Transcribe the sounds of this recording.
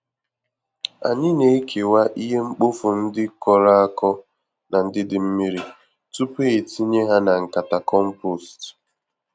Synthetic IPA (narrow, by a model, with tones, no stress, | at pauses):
a̰˨ɲɪ˦ne˨i˦kʰe˨wa˦ʔi˦ɦe˦ŋ͡m̩˦k͡pʊ˦fʊ˨n̩˦dɪ˦kɔ˨ɾa˦a˦kɔ˦ | na˨n̩˦dɪ˦dɪ˨m̩˦mi˦ɾi˨ | tu˦pe˦e˨ti˦ɲe˦ɦa˦na˨ŋ̩˨ka˨ta˨kɔ˦m̩˦po˦˨st